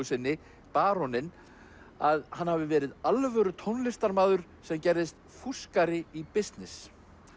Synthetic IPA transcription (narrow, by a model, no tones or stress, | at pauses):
ʏsɪnːɪ | paːɾɔnɪn | aðhanhavɪvɛːɾɪðalvœɾʏt̪ʰownlɪst̪aɾmaːðʏɾ̥ | sɛmcɛɾðɪst̪ | fuskaɾɪipɪst̪nɪs